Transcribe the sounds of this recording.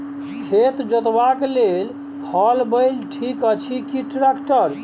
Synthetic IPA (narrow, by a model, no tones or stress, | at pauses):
kʰet̪d͡ʒət̪baklel | hɔlbəjlʈʰikət͡ʃʰikiʈɾakʈəɾ